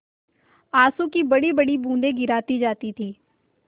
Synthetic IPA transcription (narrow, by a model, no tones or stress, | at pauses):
aːsõkibɐɽibəɽibũːnd̪ẽɡɪɾaːt̪id͡ʒaːt̪it̪ʰiː